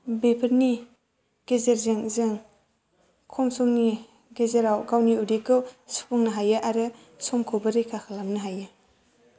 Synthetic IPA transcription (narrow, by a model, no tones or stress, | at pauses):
bepʰɯɾni | ɡ̥ezeɾzeŋzeŋ | kʰɔmsɔŋni | ɡezeɾawɡawniudikɯwspʰɔŋnɯɦajɯʔaɾɯ | sɔmkʰɔbɯɾikʰaxʰalamnɯɦajɯ